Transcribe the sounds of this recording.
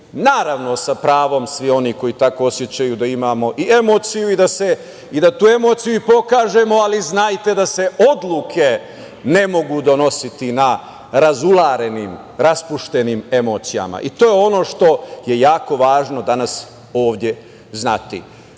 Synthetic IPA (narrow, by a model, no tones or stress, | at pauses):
naːɾaʋno̞sapɾaːʋo̞msʋio̞niko̞jit̪ako̞osje̞t͡ɕajud̪aimaːmo̞ʔie̞mo̞ːt̪sijuid̪ase̞ | id̪at̪uːe̞mo̞ːt̪sijuipo̞kaːʒe̞mo̞aliznaːjt̪e̞d̪ase̞o̞d̪lˠukʰe̞ | ne̞mo̞ɡud̪o̞no̞sit̪ina | ɾazulaːɾe̞niːm | ɾaspuʃt̪e̞nime̞mo̞ːt̪sija̰ma̰ʔit̪o̞ːjeo̞no̞ːʃt̪o̞je̞jaːko̞ʋaːʒno̞d̪anas | o̞ːʋd̪ʲje̞ | znat̪ḭ